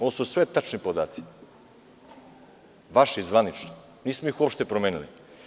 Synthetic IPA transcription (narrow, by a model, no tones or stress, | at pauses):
oʋosusʋet̪at͡ʃnipod̪aːt̪si̥ | ʋaʃeizʋanit͡ʃno | niːsmoixuopʃt̪epɾomeːnilḭ